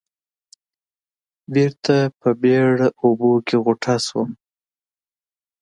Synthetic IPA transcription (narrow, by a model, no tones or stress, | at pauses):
biɾt̪apəbeɽaobokʰeɣoʈʰaswəm